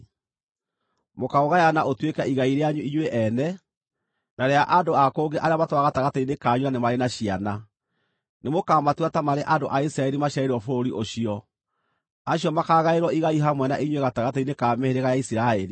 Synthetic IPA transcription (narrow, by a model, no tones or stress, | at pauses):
mokaoɣajanaʔotwekɛiɣaiɾeaɲuiɲweʔɛnɛ | naɾeaʔandoakoːŋɡeʔaɾeamatwaɣataɣatainekaːɲuanemaɾenaɕiana | nemokamatwatamaɾeʔandoʔaisiɾaɛɾimaɕaeɾwɔfoɾiʔoɕiɔ | aɕiɔmakaːɣaeɾwɔiɣaiɦamwɛnaʔiɲweɣataɣateinekaːmeheɾeɣajaisiɾaɛɾi